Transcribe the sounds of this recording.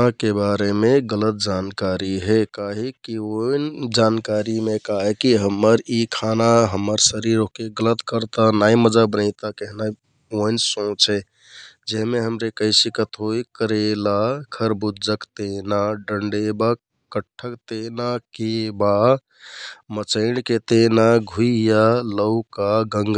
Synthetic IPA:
akebaɾemeɡələt̪̚d͡ʒankaɾiɦɛkaɦikiojnd͡ʒankaɾimekaɦikiɦəmːəɾikʰanaɦəmːəɾsəɾiɾokeɡələt̪kəɾt̪anaiməd͡ʒabənaɪt̪akeɦna | oinsõt͡ʃʰɛ | d͡ʒeɦmeɦəmɾekəɪsikət̪ɦojkəɾelakʰəɾbud͡ʒəkt̪enaɖəɳɖeba | kəʈʰːəkt̪enakeba | mət͡ʃəɪnket̪enaɡʱujaləʊkaɡəŋɡ

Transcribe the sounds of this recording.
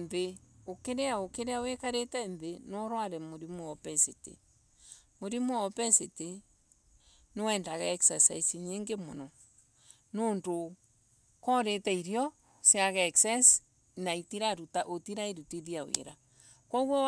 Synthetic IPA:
nðeokeɾeaokeɾeawekaɾetɛnðenɔɾwaɾɛmoɾimoɔpɛsetḛ | moɾimoɔpɛsete | nowɛndaɣɛːksasa̰isiɲeŋɡemonɔ | noːndo | kɔɾetɛiɾjɔ | sjaɣɛːksas | naitiɾaɾutaʔotiɾaeɾutiðiawḛɾa | kwɔɣɔ

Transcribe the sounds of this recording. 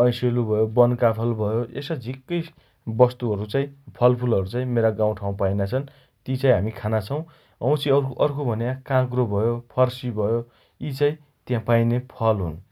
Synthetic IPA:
ʌ̃jselubʱʌjobʌnkapʰʌlbʱʌjoʔesʌd͡zʱikːʌjs | bʌst̪uɦʌɾut͡saĩpʰʌlpʰulʌɾut͡saĩmeɾaɡãw̃ʈʰaw̃pajnat͡sʰʌn | t̪it͡saĩɦamikʰanat͡sʰʌw̃ | ʌw̃t͡sʰiʌɾkʔʌrkobʱʌnjãkãkrobʱʌjopʰʌrsibʱʌjo | it͡sãĩ | t̪jãpajnepʰʌlɦṵn

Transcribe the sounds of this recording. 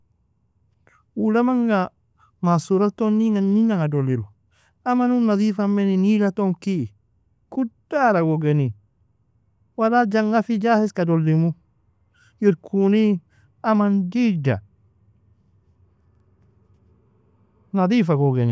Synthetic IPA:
wulamaŋɡa | masuɾatonːiŋaninaŋadolilo | amanunːaðifameninilatoŋki | kud̥aɾaɡoɡeni | walad͡ʒaŋɡafid͡ʒahiskadolːimu | jiɾkʰuni | amandid͡ʒa̰ | naðifaɡoɡeni

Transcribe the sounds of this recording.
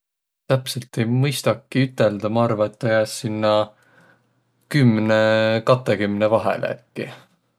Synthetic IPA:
t̪æpselt̪ˑe̞jmɤjst̪ɑkːiyt̪ːˑeld̪̥ɑmɑɑrvɑet̪ːɑjæsːinːɑ | kymnekɑt̪ːˑekymnevɑɦḛl̰ḛt̪ːi

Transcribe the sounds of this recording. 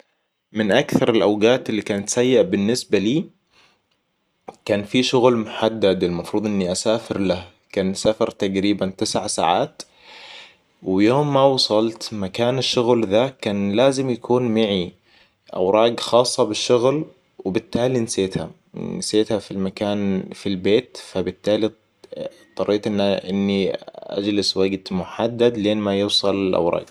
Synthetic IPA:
mɪnʔakθɑɾˤɪlʔawɡaːt̪ɪlːikaːnat̪sajːaʔabɪnːɪsbaliː | kaːnfiʃʊɣlmʊħad̪ːad̪ɪlmɑfɾuːd̪ˤʔɪnːiʔasaːfɪɾlah | kaːnsafɑɾˤt̪aɡɾiːbant̪ɪsʕsa̰ːʕaːt̪ | wɪjoːmːawɑsˤɑlt̪makaːnɪʃːʊɣlðakaːnlaːzɪmjakʰuːnmaʕi | ʔa̰wɾˤɑːɡxɑːsˤːɑbɪʃːʊɣl | wɪbɪt̪ːaːlinseːt̪ha | nɪseːt̪hafilmakaːnfilbeːt̪fabɪt̪ːaːli | t̪ˤːɑrˤːiːt̪ʔɪnːaʔɪnːiʔa̰d͡ʒlɪswaɡt̪mʊħad̪ːad̪leːnmajuːsˤɑlɪlʔa̰wɾˤɑ̰ːɡ

